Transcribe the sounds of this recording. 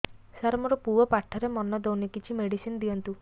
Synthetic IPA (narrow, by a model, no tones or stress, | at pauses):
saɾmɔɾɔpuɔpaʈʰɔɾemɔnɔd̪ownekit͡ʃʰimeɽisinɔd̪iɔnt̪u